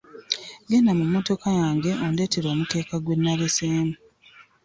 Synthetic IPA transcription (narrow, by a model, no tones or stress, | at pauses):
ɡe̞namumːo̞to̞kajaːŋɡe̞ʔonde̞ːte̞ɾo̞ːmute̞ːkaɡwe̞nːaleseːmu